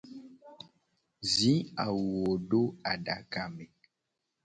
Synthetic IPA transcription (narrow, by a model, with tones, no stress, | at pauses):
zi˨˦a˨wo˨ɖo˦a˨ɖa˨ka˨mɛ˨